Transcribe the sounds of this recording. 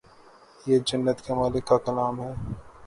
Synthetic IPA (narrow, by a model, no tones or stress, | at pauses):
jed͡ʒɐnːət̪kemaːlɪkːakɐlaːmɦɛː